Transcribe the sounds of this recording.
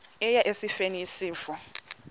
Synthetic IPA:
ɛjaʔesifeniːsiːfɔ

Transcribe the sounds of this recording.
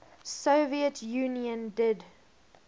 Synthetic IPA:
soviətʰjuːniə̃ndɪd

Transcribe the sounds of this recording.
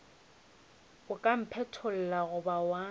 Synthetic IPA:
ʊkʼam̩pʰɛtʰʊl̩laɣʊbawa

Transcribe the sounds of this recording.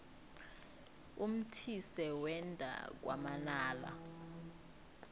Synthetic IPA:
um̩tʰisɛwɛndʱa̰k̬wa̰manaːla̰

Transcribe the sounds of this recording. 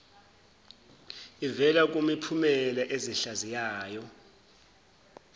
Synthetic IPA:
ivɛlak̬ʼumipʰumɛlaʔeziɬazijaːjɔ

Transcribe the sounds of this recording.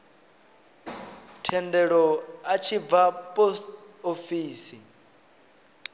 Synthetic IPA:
tʰɛndɛɺɔat͡ʃʰib̪vapʼɔst | ofiːsi

